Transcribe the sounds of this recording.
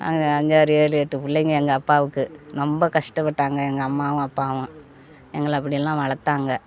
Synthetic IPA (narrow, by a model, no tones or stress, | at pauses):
ɐ̰ŋɐɲd͡ʑaːɾɯeːɭɯjɛʈːɯpʊlːɐŋɡɐɛŋɡɐːpːaːʋɯkːɯnɔmbɐkɐʂʈɐpːɐʈːaːŋɡɐɛŋɡɐɐmːaːʋʊ̃ɐpːaːʋʊ̃ | ɛŋɡɐɭɐp̬ːɐɽɪjɛlːãːʋɐɭɐt̪ːaːŋɡɐ